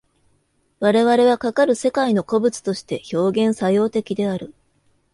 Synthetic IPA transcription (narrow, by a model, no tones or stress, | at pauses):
βaɾe̞β̞aɾe̞β̞akakaɾɯ̟se̞kaino̞ko̞bɯ̟t͡sɨ̥t̪o̞ɕi̥t̪e̞ço̞ːɡẽ̞ɰ̃sajo̞ːt̪e̞kʲid̪e̞aɾɯ̟